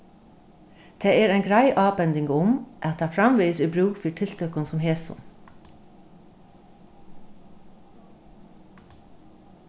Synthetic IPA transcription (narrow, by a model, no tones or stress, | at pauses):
d̪̥ʰeːeːɾæɪŋɡɾæɪʔɑːbɛnd̪ɪŋɡʊmʔɑt̪̚d̪æːfɾɑmʋiːsiːbɾʉːɡfiːʈʰɪlt̪ʰœkɑnsɔmheːsʊ̰n